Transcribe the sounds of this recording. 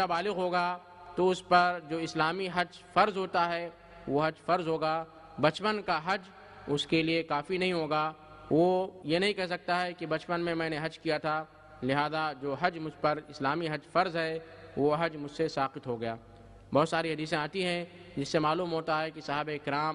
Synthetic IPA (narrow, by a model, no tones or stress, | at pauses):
abaːlɪɣɦoːɡa | t̪oʊspɐɾd͡ʒoːɪslaːmiɦɐd͡ʒ | fɐɾzɦoːt̪aɦɛ | ʋoɦɐd͡ʒfɐɾzɦoːɡaː | bɐt͡ʃpənkaɦɐd͡ʒ | ʊskeliekaːfinɐɦĩɦoːɡaː | ʋojenɐɦĩkɛɦs̬ɐk̚t̪aɦɛkibɐt͡ʃpənmẽmɛ̃ːneɦɐd͡ʒkijat̪ʰa | lɪɦaːzad͡ʒoːɦɐd͡ʒmʊd͡ʒʱpɐɾɪslaːmiɦɐd͡ʒfɐɾzɦɛ | ʋoɦɐd͡ʒmʊd͡ʒʱsesaːqɪt̪ɦoɡɐjaː | bɔːt̪saːɾiɦɐd̪iːs̬ẽaːt̪iɦɛ̃ | d͡ʒɪsːemaːluːmɦoːt̪aɦɛkisɐɦbeɪkɾaːm